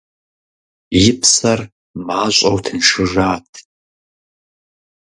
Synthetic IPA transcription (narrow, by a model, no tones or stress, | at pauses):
jɪpʰsɐr | maːɕʷʼɐwtʰɨnʂɨʒaːtʰ